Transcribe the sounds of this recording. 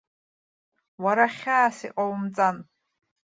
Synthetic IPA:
waɾaχʲaːsiqʼawmt͡sʼan

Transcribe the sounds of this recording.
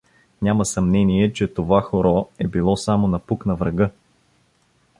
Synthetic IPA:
nʲamɐsɐmnɛniɛt͡ʃɛt̪ovaxoɾɔɛbilˠɔsamonɐpuknɐvɾɐɡɤ

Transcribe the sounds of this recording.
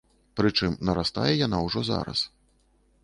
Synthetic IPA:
pɾɨt͡ʂɨmnɐɾast̪a̰jɛjanawʐɔza̰ɾɐ̰s

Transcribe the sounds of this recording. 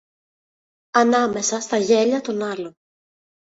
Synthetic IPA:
ɐnɐme̞sɐst̪ɐʝe̞ʎɐt̪o̞nɐlo̞

